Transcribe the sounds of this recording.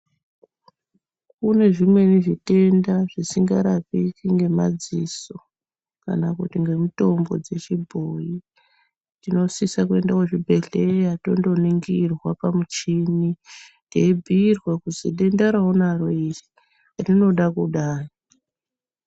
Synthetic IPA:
kune̞ʐimwe̞niʐite̞ndaʐisiŋɡaɾapikiŋɡe̞mad͡ziso | ka̰nakutiŋɡe̞mito̞mbo̞̰d͡ze̞t͡ʃibʱoi | tino̞sisakue̞ndakoʐibʱeɮejato̞ndo̞niŋɡirwapamut͡ʃini | teibʱiːrwakuzḭɗendaɾaonaroiri | arino̞ɗakuɗaːji

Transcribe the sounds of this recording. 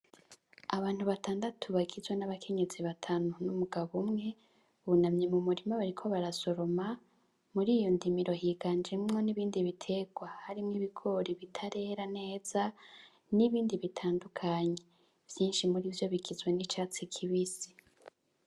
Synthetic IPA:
aβaːn̥huβatʰaːndatʰuβaɡizwenaβakʰe̞ɲeziβatʰanunumuɡaβomŋe̞ | uβunamɲemumuɾimaβaɾikʰo̞βaɾaso̞ɾo̞ma | muɾiːjo̞ndimiɾo̞hiːɡand͡ʒemŋo̞niβiːndiβitʰe̞ɡ̥wahaɾimŋiβiɡo̞ɾiβitʰaɾe̞ːɾane̞ːz̥a | niβiːndiβitʰaːndukʰaːɲe̞ | v̥jiːnʃimuɾiːvjo̞βiɡizwe̞nit͡ʃaːt͡sikʰiβisi̥

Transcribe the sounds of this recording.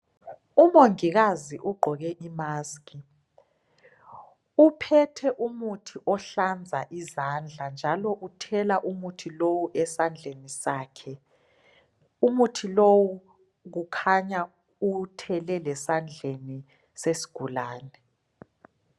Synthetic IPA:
umoŋiɣaziʔuɡ͡ǃʱɔɣɛʔimaːski | upʰɛtʰɛʔumutʰiʔɔɬand͡zʱaʔizand͡ɮʱand͡ʒʱalɔʔutʰɛlaʔumutʰilowuʔɛsand͡ɮʱenisaːkʰɛ | umutʰilowu | ɣ̬ukʰaɲa | utʰɛlɛlɛsand͡ɮʱeni | sesi̥ɡ̥ʱulaːnɛ

